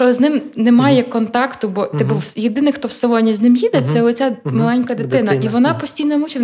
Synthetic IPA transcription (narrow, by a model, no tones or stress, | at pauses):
t͡ʃɔznɪmnɛmɑjɛkɔnt̪ɑkt̪ʊbɔt̪ɛbʊsjed̪ɪnɪxt̪ɔwsɛlˠɔnʲiznɪmjid̪ɛt̪sɛɔt͡sʲamɐlˠɛnʲkɐd̪ɪt̪ɪnɐʔiʋɔnɑpɔsʲtʲijnɔmut͡ʃʲi